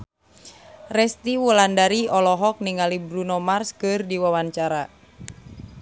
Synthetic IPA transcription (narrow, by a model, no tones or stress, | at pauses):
rɛst̪iwulandaɾiɔlɔɦɔk̚niŋalibɾunɔmarskɨrdiwawaɲt͡ʃaɾa